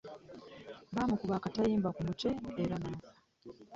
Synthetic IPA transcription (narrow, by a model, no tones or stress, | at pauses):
βaːmukuβaːkatajiːmbakumute̞ːɾanazḁ